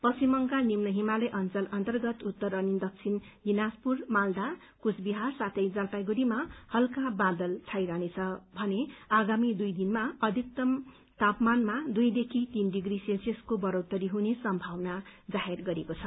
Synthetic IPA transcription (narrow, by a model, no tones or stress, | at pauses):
pʌsimʌŋkanimnʌɦimalʌjʔʌnt͡sʌlʌnt̪ʌrɡʌt̪ut̪ːʌrʌnind̪ʌk̚t͡sʰin | dinaspurmald̪a | kusʰbiɦarsat̪ʰʌjd͡zalpajɡuɾimahʌlkabãd̪ʌlt͡sʰajɾanet͡sʰʌbʱʌneaɡamid̪ujd̪inmaʌd̪ʱik̚t̪ʌm | t̪apmanmad̪ujd̪ekʰit̪inɖiɡriselseskobʌɾowt̪ʌɾiɦunesʌmbʱawnad͡zaɦerɡʌɾekot͡sʰʌ